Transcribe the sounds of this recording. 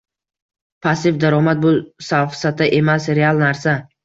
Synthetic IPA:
pʰasɪfd̪aɾɒmat̪̚bʊsafsat̪ʰaʔe̞masɾe̞alˠnaɾsa

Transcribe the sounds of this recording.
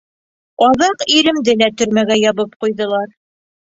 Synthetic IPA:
ɑðɑqiɾɘ̆md̪ɘlæt̪ɵ̆ɾmæɡæjɑβɤp̚qujðɤ̆lˠɑɾ

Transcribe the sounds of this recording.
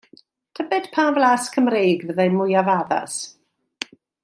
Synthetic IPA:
tʰəbɛd̥pʰaːmvlaːskʰəmrejɡvəðajmʊjavaða̰s

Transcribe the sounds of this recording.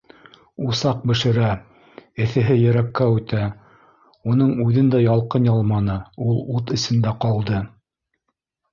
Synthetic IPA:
usɑq̚bɘ̆ʃɘ̆ɾæ | ɘ̆θɘ̆ɦɘjɘ̆ɾækːæʉt̪æ | unɤɴʉðɘnd̪æjɑlˠqɤnjɑlˠmɑnɤulˠut̪ɘ̆sɘ̆nd̪æqɑlˠd̪ɤ

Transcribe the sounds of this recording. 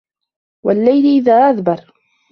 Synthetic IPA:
walːajlʔɪðaːʔaðbɑɾˤ

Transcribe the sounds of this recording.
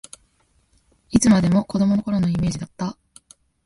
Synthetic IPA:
it͡sɨmad̪e̞mo̞ko̞d̪o̞mo̞noko̞ɾo̞no̞ime̞ːd͡ʑid̪at̪ːa

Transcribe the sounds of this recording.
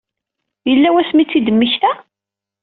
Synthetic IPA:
jəlːæwæsmit͡sːid̪əmːəçt̪æ

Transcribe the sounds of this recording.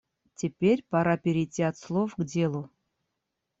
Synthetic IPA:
tʲɪpʲeɾʲpaɾapʲɪɾʲɪtʲːiat̪slˠofɡdʲe̞lˠʊ

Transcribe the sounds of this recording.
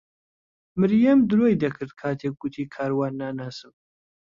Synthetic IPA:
mɨɾjɐmd̪ɨɾoːjd̪ɐkʰɨɾd̪̚kʰaːt̪ʰeːk̚ɡ̥ʊt̪ʰiːkʰaːɾwaːnːaːnaːsɨm

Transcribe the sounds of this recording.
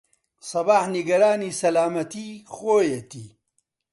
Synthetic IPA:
sɐbaːħniɡɐɾaːniːsɐlaːmɐt̪iːxoːjet̪iː

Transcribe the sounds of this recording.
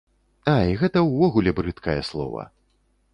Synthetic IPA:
aiɣɛt̪ɐwvɔɣulʲɛbɾɨt̪kɐjɛslˠɔ̰vɐ̰

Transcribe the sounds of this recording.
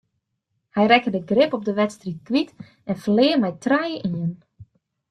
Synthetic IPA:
hɛjrɛkədəɡrɪpɔb̚dəʋɛtstrit̚kʋit | ɛnfərlɪərmɛjtrajəʔiən

